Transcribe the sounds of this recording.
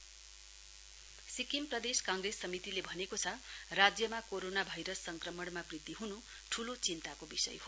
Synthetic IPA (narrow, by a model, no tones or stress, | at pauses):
sikimprʌd̪eskaŋɡresːʌmit̪ilebʱʌnekot͡sʰʌrad͡zjʌmakoɾonabʱajɾʌsːʌŋkrʌmʌɽmabrid̪iɦunu | ʈʰulot͡sint̪akobisʌ̰jɦo